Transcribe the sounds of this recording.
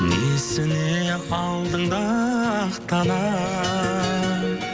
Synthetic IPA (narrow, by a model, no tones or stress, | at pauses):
nesɪneɑlˠd̪əɴd̪ɑqt̪ɑnɑ